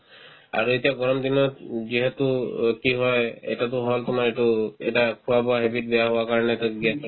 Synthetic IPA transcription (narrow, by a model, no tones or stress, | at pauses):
a̰ɹuetijaɡɔɹɔmd̪inɔtziɦet̪ukiɦɔjḛjtat̬ʊɦɔltʊmaɹetuɛ̰takʰuwabɔaɦebit̚bɛjaɦʊakaɹɔnɛtaɡiɛtɔ